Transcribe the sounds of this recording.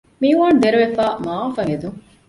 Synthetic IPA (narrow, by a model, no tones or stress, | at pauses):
miːʋaːnud̪eɾuʋefaːmaːfɐŋed̪uŋ